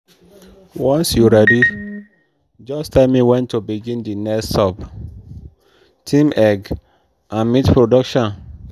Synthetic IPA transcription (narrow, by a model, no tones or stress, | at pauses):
wɔ̃nsjuɾɛdi | d͡ʒɔstamĩwɛ̃ntʰːobiɡĩndinɛstɔb | tʰĩmɛɡ | ãnmitpɹodɔkʃɔ̃n